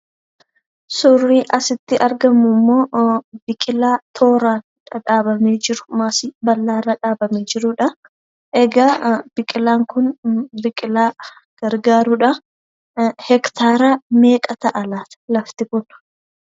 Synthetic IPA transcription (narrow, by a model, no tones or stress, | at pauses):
sʊrːiːʔɐsɪt̪ːɪʔɐɾɡɐmːʊmːo̞ːbɪkʼɪlaːt̪ʰo̞ːɾaːn | ᶑɐᶑaːbɐmeːd͡ʒɪɾʊmaːsɪbɐlːaːrːɐᶑaːbɐmeːd͡ʒɪɾʊᶑɐ | ʔɛɡaːb̥ɪkʼɪlaːŋkʊnbɪkʼɪlaː | ɡ̥ɐɾɡaːɾʊᶑɐ | hɛkt̪ʰaːɾaːme̞ːkʼɐt̪ɐʔɐlaːt̪lɐft̪ɪkʊn